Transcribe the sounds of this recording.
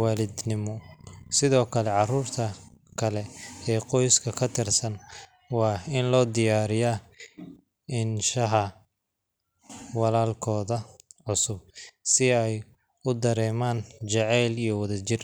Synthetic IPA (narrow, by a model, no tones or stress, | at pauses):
waːlɪd̪nɪmɔsɪðɔːkʰɐlɛʕɑruːrt̪ʰɐkʰɐlɛɛːqɔjskʰɐkʰɐt̪ʰɪrsɐn | wɑːɪnlɔːd̪ɪjaːɾɪja | ɪnʃɐɦɐ | wɑlaːlkʰɔːðɐʕʊsʊb̚sɪɛj | ʊd̪ɐɾɛːmaːnt͡ʃɛʕɛːlijɞwɐðɐt͡ʃɪr